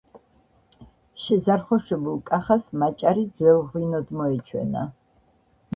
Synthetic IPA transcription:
ʃɛzaɾχɔʃɛbulˠkʼaχasmat͡ʃʼaɾid̪zwɛlˠʁwinɔd̪mɔɛt͡ʃʰwɛ̰na̰

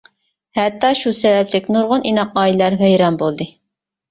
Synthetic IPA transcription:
hɛt̪ːɑʃusɛvɛplɪkʲnuɾʁʊninɑqɑːilæɾɦɛjɾɑmbolˠd̪ɨ

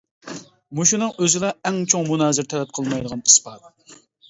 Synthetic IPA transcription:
muʃunɨŋøzɪlɛɛŋt͡ʃʰoŋmunɑːzɪɾt̪ʰɛlɛp̚qʰəlˠmɑjd̪əʁɑni̥spɑːt̪

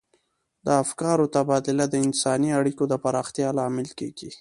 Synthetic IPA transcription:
d̪əafkɑɾot̪abɑd̪ɪlad̪əɪnsɑniaɽikod̪əpaɾɑxt̪jɑlɑmɪlkḛɡ̥i

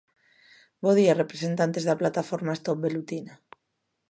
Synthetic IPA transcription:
boðiare̞pɾese̞nt̪ant̪e̞zðaplat̪afoɾmaest̪op̚be̞lut̪ina

